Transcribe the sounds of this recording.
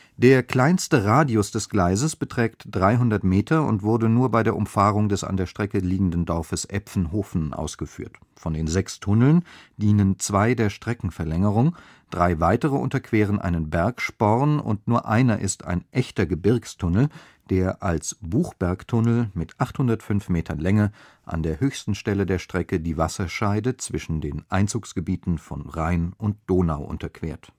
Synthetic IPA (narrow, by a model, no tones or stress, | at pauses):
d̥eːɐkl̥aɪnstəʁaːdiʊsd̥ɛsɡ̥laɪzəsb̥ətʁ̥ɛːktd̥ʁaɪɦʊndɐtmeːtʰɐʊ̰ntv̥ʊɐdənuːɐbaɪdeːɐʔʊmfaːʁʊŋdɛsa̰ndeːɐʃtʁ̥ɛkəliːɡŋ̩dndɔɐfəsʔɛfn̩ɦoːfn̩ʔa̰ʊsɡ̥əfy̰ːɐt | fɔndeːnzɛkstʰʊnl̩nd̥iːnənt͡sv̥aɪdeːɐʃtʁ̥ɛkŋ̩fɛɐlɛŋəʁ̞ʊŋ | d̥ʁaɪvaɪtəʁəʔʊ̰ntɐkv̥eːʁ̞ənʔa̰ɪnənbɛɐkʃpɔʁnʊ̰ntnuːɐʔaɪnɐʔɪstʰa̰ɪnʔɛçtɐɡəbɪɐkstʰʊnl̩ | d̥eːɐʔalsb̥uːxb̥ɛɐktʰʊnl̩mɪtʔaχthʊndɐtfʏnfmeːtʰɐnlɛŋə | ʔa̰ndeːɐhøːçstn̩ʃtɛlədeːɐʃtʁ̥ɛkədiːvasɐʃaɪdət͡sv̥ɪʃn̩deːnʔaɪnt͡suːksɡ̥əbiːtn̩fɔnʁaɪnʔʊnt̚d̥oːnaʊʔʊ̰ntɐkv̥ḛːɐt